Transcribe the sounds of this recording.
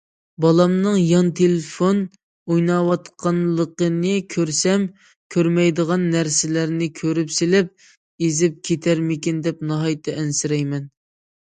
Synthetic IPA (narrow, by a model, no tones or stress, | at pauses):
bɑlˠɑmnɨŋjɑnt̪ʰelɪfon | ujnɑwɑt̪qʰɑnlˠəqənɨkʲʰøɾsɛm | kʲʰøɾmɛjd̪əʁɑnːæɾsɪlæɾnɪkʲʰøɾypselɪp̚ | ezɪp̚kʲʰet̪ʰæɾmɪkʲind̪ɛpnɑɦɑjt̪ʰːɑɛnsɪɾɛjmɛn